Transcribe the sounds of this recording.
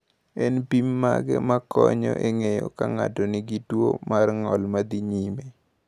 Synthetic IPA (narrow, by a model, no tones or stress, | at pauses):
ɛnpimːaɡɛmakʰɔɲɔ̰ʔeŋejɔkaŋatɔnɪɡitwomarŋɔlmad̪iɲime